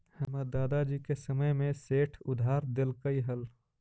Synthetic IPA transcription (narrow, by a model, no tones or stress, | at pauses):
həməd̪ːaːd̪ad͡ʒiːkesəməjmẽseːʈʰʊd̪ʱaːɾd̪ɪlkəiɦəl